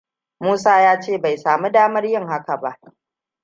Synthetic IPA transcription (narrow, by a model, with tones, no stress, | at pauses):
muː˦saː˦jaː˦t͡ʃeː˦˨ba˨jsaː˨mu˦daː˦mɐ˦rjɪ˦ŋha˦ka˨ba˦ʔ